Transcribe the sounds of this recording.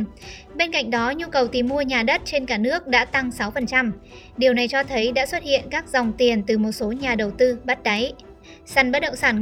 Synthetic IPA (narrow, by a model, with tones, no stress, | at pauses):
ɓe˧nka̰˧˨jŋ̟ɗɔ˨˦ɲu˧kə˨˩wt̪i˨˩mu˧əɲaː˨˩ɗə˦˥t̚t͡ɕe˧nkaː˧˩nɨ˦˥ək̚ɗa̰ː˧˥t̪a˧ŋsa˨˦wfə˨˩nt͡ɕa˧m | ɗi˨˩əwna˨˩jt͡ɕɔ˧t̪ʰə˨˦jɗa̰ː˧˥swə˦˥t̚hḭ˧˨ənkaː˦˥k̚zɔ˨˩wŋ͡mt̪i˨˩ənt̪ɨ˨˩mo˨˩t̚so˨˦ɲaː˨˩ɗə˨˩wt̪ɨ˧ɓa˦˥t̚ɗa˨˦j | sa˧˩nɓə˦˥t̚ɗə̰˧˨ŋ͡msaː˧˩n